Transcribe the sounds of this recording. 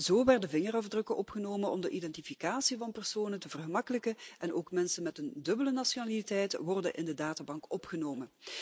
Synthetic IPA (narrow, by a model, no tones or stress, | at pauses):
zoːʋɛrdəvɪŋərɑvdrɵkəʔɔpxənoːmənɔ̰mdəʔidɛntifikaːsivɑnpərsoːnətəvərɣəmɑkələkəɛnoːkmɛnsənmɛtəndɵbələnasonaːlitɛjtʋɔrdə̰nʔɪ̰ndədaːtabɑŋkɔpxənoːmən